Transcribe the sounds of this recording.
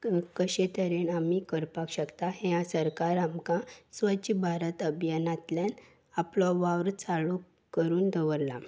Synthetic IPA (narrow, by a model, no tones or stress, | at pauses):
kəɕet̪əɾenamikəɾpakɕəkt̪aɦãsəɾkaɾamkãsʋət͡ɕibʱaɾət̪əbʱjanat̪ljan | aplɔʋaʋɾt͡saɭu | kəɾuːnd̪əʋəɾla̰